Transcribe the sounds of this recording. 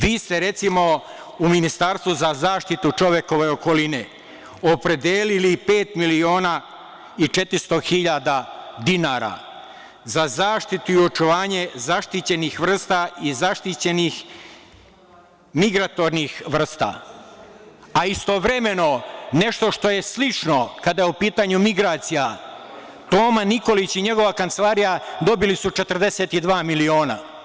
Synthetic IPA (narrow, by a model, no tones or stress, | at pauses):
ʋiːst̪eɾe̞t̪simo̞ | uminist̪aɾst̪ʋuzazaːʃt̪it̪ut͡ʃo̞ʋjeko̞ʋeoko̞lineː | o̞pɾe̞d̪jeːlilipe̞ːt̪milio̞ːna | it͡ʃe̞t̪ɾist̪o̞xiʎad̪ad̪inaɾa̰ | zazaːʃt̪it̪uio̞t͡ʃuʋaːɲe̞zaʃt̪it͡ɕe̞nixʋr̩st̪aizaʃt̪it͡ɕe̞nix | miɡɾat̪o̞ɾnixʋr̩st̪a̰ | aist̪o̞ʋɾe̞me̞no̞ne̞ʃt̪o̞ʃt̪o̞je̞slit͡ʃno̞kad̪ajeupiːt̪aɲumiɡɾaːt̪sija | t̪o̞ːmaniko̞lit͡ɕiɲe̞ɡo̞ʋakant̪se̞lˠaːɾijad̪o̞bilisut͡ʃe̞t̪ərd̪e̞set̪id̪ʋaːmilio̞ːna̰